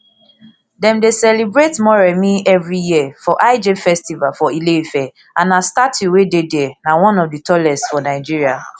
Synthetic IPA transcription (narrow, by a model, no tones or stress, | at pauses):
dɛ̃mdesɛlebɹetmɔɹɛmiɛvɹijiəfɔʔaɪd͡ʒefɛstivalfɔilefɛ | ãnastatuwededɛɛnawɔ̃nɔvditʰɔlɛsfɔnaɪd͡ʒiɹia